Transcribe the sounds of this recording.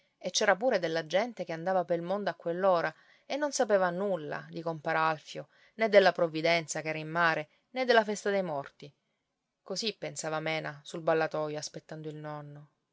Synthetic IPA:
et͡ʃːɛːɾapuːɾed̪elːad͡ʒɛnt̪ekeand̪aːvapeɾilmond̪oakːwelːoːɾa | enːonsapeːvanulːa̰d̪ikompaːɾealfjo | ned̪ːelːapɾovːid̪ɛnt̪sakɛːɾaimːaːɾe | ned̪ːelːafɛst̪ad̪ejmɔrt̪i | kosipːensaːvamɛːnasulbalːat̪ɔjoaspet̪ːand̪oilnɔnːo

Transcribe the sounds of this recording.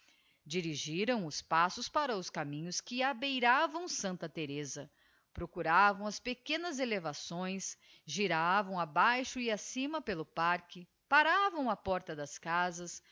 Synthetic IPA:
d͡ʒiɾiʒiɾɐ̃w̃ʊspasʊspaɾɐʊskamĩɲʊskɪabejɾavɐ̃w̃sɐ̃nt̪ɐt̪eɾezɐ | pɾokuɾavɐ̃w̃ɐspekẽnɐzelevasõj̃s | ʒiɾavɐ̃w̃abajʃʊɪasĩmɐpelʊpaɾkɪ | paɾavɐ̃w̃ɐpɔɾt̪ɐd̪ɐskazɐs

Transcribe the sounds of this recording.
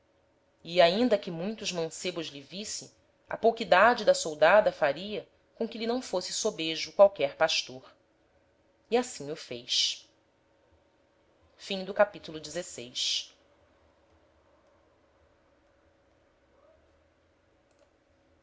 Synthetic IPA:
iaĩnd̪ɐkɪmũj̃t̪ʊʒmɐ̃sebʊʒlivisɪ | ɐ̰powkid̪ad͡ʒɪd̪ɐsowd̪ad̪ɐfaɾiɐ | kõkɪlinɐ̃w̃fosɪsobeʒʊkwawkɛɾpaʃt̪oɾ | iasĩɲʊfejʃ | fĩŋd̪ʊkapit̪ulʊd͡ʒɪzesejʃ

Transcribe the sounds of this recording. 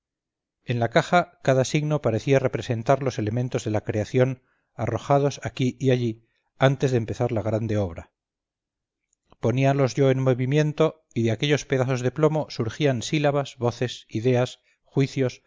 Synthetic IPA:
e̞nlakaxakaðasiɣno̞paɾe̞θiare̞pɾe̞se̞nt̪aɾlo̞se̞le̞mẽ̞nt̪o̞zðe̞lakɾe̞aθjo̞n | aro̞xað̞o̞sakiʔiaʎi | ant̪e̞zðempe̞θaɾlaɣɾand̪e̞o̞βɾa | po̞nialo̞zʝo̞enmo̞βimje̞nt̪o̞ | iðeake̞ʎo̞spe̞ðaθo̞zðe̞plo̞mo̞suɾxiansilaβazβo̞θe̞siðe̞as | xwiθjo̞s

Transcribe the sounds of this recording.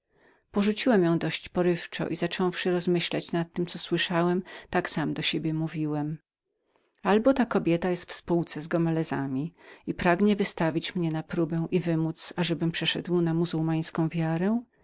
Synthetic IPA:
pɔʐut͡ɕiwɛmjɔ̃w̃d̪ɔɕt͡ɕpɔɾɘft͡ʂɔ̰ʔizat͡ʂɔ̃w̃fʂɘɾɔzmɘɕlat͡ɕnat̪ːɘmt̪ɔswɘʂawɛmt̪aksamd̪ɔɕebʲjɛmuvʲiwɛm | albɔt̪akɔbʲjɛt̪ajɛst̪fspuwt̪sɛzɡɔmɛlɛza̰mʲiipɾaɡɲɛvɘst̪avʲit͡ɕmɲɛnapɾubɛ̃w̃ʔivɘmut̪saʐɛbɘmpʂɛʂɛ̰d̪wnamuzuwmaj̃skɔ̃w̃vʲjaɾɛ

